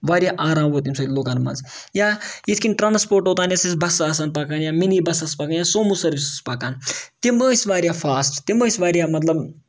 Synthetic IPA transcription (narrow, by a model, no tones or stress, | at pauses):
ʋaːɾjaʔaːɾaːmboːt̪imsɐːt̪ʲloːkaːnma̰nz | jait̪ʰkinʈɾaːnspoːɾʈoːt̪aːnjasisbɐsaːsaːnpaːkaːnjaːminibɐsɐspaːkaːnjaːsoːmusɐɾʋisspaːkaːnt̪iməːsʋaːɾjafʰaːsʈt̪iməːsʋaːɾjamɐt̪̬lɐb